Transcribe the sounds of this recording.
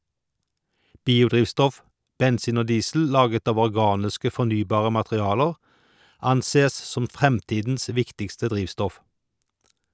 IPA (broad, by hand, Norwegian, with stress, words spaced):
ˈbiːʊˌdʁiːʋstɔf bɛnˈsiːn ˈoː ˈdiːsl̩ ˈlɑːɡət ˈɑːʋ ɔʁˈɡɑːnɪskə fɔʁˈnyːbɑːʁə mɑtʁɪˈɑːləʁ ˈɑnˌseːəs ˈsɔm ˈfʁɛmˌtiːdn̩s ˈʋɪktɪkstə ˈdʁiːʋstɔf